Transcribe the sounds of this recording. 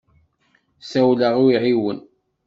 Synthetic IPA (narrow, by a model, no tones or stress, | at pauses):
sæwləʁuiʕiwən